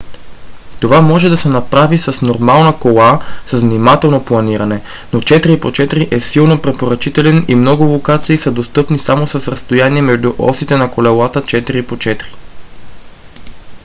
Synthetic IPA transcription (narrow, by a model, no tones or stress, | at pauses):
t̪ovamɔʒɛd̪ɐsɛnɐpɾavisɐsnoɾmalˠnəkolˠasəzvnimat̪ɛlˠnoplˠɐniɾɐnɛ | not͡ʃɛt̪ɾipot͡ʃɛt̪ɾiʔɛsilˠnopɾɛpoɾɐt͡ʃit̪ɛlɛnimnɔɡʊlˠokat̪siːsəd̪ost̪ɤpnisamosɐsɾɐst̪ojaniɛmɛʒd̪uʔɔ̰sit̪ɛnɐkolɛlˠat̪ət͡ʃɛt̪iɾipot͡ʃɛt̪ɾi̥